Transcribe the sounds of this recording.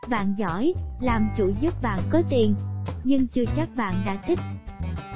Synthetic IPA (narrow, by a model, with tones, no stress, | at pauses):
ɓa̰ː˧˨nzɔ˧˩jlaː˨˩mt͡ɕu˧˩zə˦˥p̚ɓa̰ː˧˨nkɔ˨˦t̪i˨˩ənɲɨ˧ŋt͡ɕɨ˨˧˩t͡ɕa˦˥k̚ɓa̰ː˧˨nɗa̰ː˧˥t̪ʰï˦˥k̚